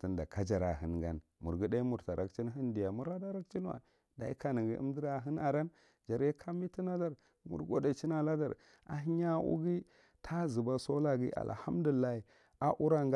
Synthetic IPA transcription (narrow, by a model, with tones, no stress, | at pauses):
ti˨nda˨ka˦d͡ʒa˨ɾa˨ɦə˨nɡa˦n | mu˨ɾɡi˦da˦i˦mu˨ɾta˨ɾʔa˨kt͡ʃi˦n˦ɦi˦ndi˨ja˨mu˦ɾa˦da˦ɾa˦kt͡ʃi˦n˦wa̰˨ | da̰˨i˦ka˨ni˨ɡi˨˦ḭ˦m˦di˦ɾa˨ɦi˦na˨ɾa˦n | d͡ʒa˨ɾje˦kʰa˦mbi˦ti˦na˦da˦ɾ | mṵ˨ɾɡo˦da˨t͡ʃi˦na˨la˦da̰˦˨ɾ | a̰˨ɦi˦ɲa˦ṵ˦ɡi˦ | tʰa˦zi˨ba˦so˦la˦ɡḭ˦a̰˨lha˦m˦du˨i˨lːa˦i˨ | a˦ʔu˦ɾa˦ŋɡ